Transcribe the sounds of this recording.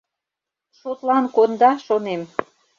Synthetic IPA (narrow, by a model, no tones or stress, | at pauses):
ʃot̪lɑnkond̪ɑʃonem